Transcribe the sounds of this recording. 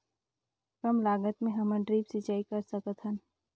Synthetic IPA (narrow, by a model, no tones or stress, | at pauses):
kɐmlaːɡət̪mẽɦɐmə̃ɳɖɾiːpsɪt͡ʃaːikɐɾsɐkət̪hɦən